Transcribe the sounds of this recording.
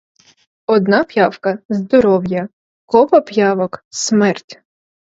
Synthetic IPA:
ɔd̪nɑpjɑwkɐzd̪ɔɾɔwjɐ | kɔʋɐpjɑʋɔksmɛrtʲ

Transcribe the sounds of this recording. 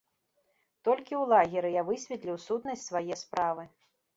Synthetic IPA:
t̪ɔlʲkʲiwlˠaɣʲiɾɨjavɨsʲvʲɛt̪lʲiwsut̪nɐsʲtʲsvajɛspɾavɨ

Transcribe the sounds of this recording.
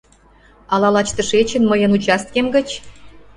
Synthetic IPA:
ɑlɑlɑt͡ɕt̪əʃet͡ɕĕnməjə̆nut͡ɕɑst̪̚kemɡə̆t͡ɕ

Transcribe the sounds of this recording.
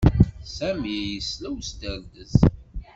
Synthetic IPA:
sæmijəslæwst̪əɾd̪əz

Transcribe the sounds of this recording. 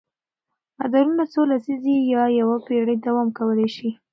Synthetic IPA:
ad̪aɾunasolasizijɑjawapeɽəd̪awɑmkawəlajʃi

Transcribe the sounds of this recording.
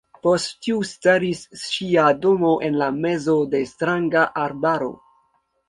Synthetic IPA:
po̞sttiustaɾisʃiado̞mo̞ʔenlame̞zo̞de̞stɾaŋɡaʔaɾbaɾo̞̰

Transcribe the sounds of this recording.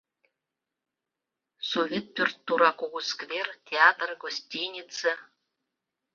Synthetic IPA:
sovʲet̪̚pyrt̪ːuɾɑkoɣuskvʲertʲeat̪rɡosʲtʲinʲit͡se

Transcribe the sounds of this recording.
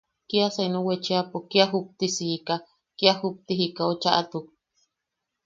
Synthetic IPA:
kiasenũwet͡ʃeapokiaɦup̚t̪isika | kiahup̚t̪iɦikaot͡ʃaʔat̪uk̚

